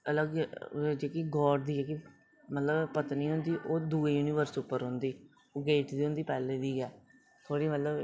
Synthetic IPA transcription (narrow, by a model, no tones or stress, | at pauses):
ələɡd͡ʒeːkiɡɔːɖd̪iːeki | mət̪ləbpət̪niːɦʊ̃nd̪iːʔoːd̪uːeːjuːniːʋəɾsʊpːəɾɦʊ̃nd̪iː | oːɡeːʈd̪iːɦʊ̃nd̪iːpɛːleːd̪iːɛː | t̪ʰoːɽiːmət̪ləb